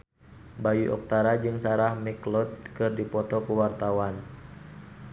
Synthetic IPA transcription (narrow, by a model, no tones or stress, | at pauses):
bajuʔɔ̰k̚t̪aɾad͡ʒɨŋsaɾahmɛklɔt̪̚kɨrdipɔt̪ɔkuwart̪awan